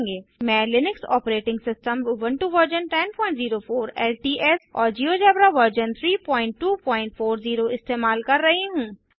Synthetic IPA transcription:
ŋɡeːmɛ̃ːlɪnɪksɔ̰ːpɾeːʈɪ̃ŋɡsɪsʈəmuʋə̃ɳʈuʋəɾd͡ʒənʈɛnpɔ̃ːɪ̃ɳʈziːɾofoːɾɛːlʈiːʔɛːsɔːɾd͡ʒiːod͡ʒɛːbɾaʋəɾd͡ʒənt̪ʰɾiːpɔ̃ːɪ̃ɳʈːuːpɔ̃ːɪ̃ɳʈfoːɾziːɾoɪst̪eːmaːlkɐɾːɐɦeɦũː

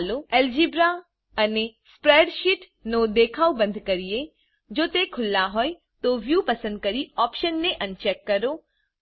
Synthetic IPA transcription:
loɛːld͡ʒiːbɾa | ɐnespɾeːɖʃiʈ | nõd̪eːkʰaːubɐ̃nd̪ʱkɐɾije | d͡ʒoːt̪ekʰʊlːaɦoːe | t̪oʋjuːpɐsə̃nd̪̚kɐɾiɔːpʃənːẽʔɐnt͡ʃɛːkːɐɾo

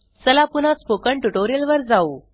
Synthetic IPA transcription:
səlapunat͡spokəɳʈuʈoɾijəlʋəɾd͡zau

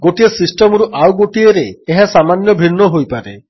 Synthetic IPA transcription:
ɡoʈiesisʈemɾuʔawɡoʈieɾeːɦasamanjɔbʱinːɔɦojpaɾe

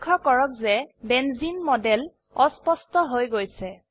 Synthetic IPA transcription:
kʰːɔkɔɹɔk̚zɛbɛnzinmɔdɛl | ɔspɔstɔɦojɡojsɛ

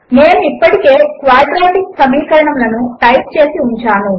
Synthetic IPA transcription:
neːnuipːɐʈike̞ːkʋaːɾɖɾaːʈiksɐmiːkɐɾɐɳɐmlɐnuʈɐjʈ̚t͡ʃe̞ːsiuɲt͡ʃaːnu

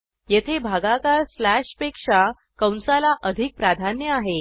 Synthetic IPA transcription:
jet̪ʰebʱaɡakaɾslæʂpekʂa | kəwnsalaʔəd̪ʱik̚pɾad̪ʱanjəaɦe

